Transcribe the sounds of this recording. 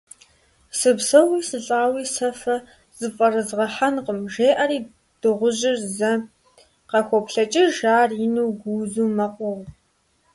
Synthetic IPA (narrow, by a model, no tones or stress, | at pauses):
sɨbsɐwiːsɨɬʼaːwiːsɐfɐ | z̥ɨfʼɐrɨzʁɐħanqʼəmʒeːʔɐɾiː | d̥ɨʁʷʊʑɪrzɐ | qɐxʷɔpɬɐt͡ʃʼɪʒaːrinuwɡʷuːzuːmɐqʷʼʊʁ